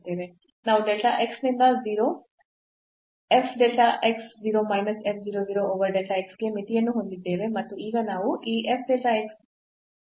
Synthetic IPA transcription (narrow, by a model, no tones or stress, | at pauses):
d̪eːʋe | naːʋuɖeʈaʔeksnind̪ɐziːɾo | epʰɖeʈaʔeksziːɾo̞ːmɐjnɐsep̚ʰd͡ʒiːɾod͡ʒiːɾooːʋɐɾɖeʈaeksɡe̞mit̪ijɐnːuɦond̪id̪ːe̞ːʋe̞mɐt̪ːuiːɡɐnaːʋuʔiːʔepʰɖeʈaeks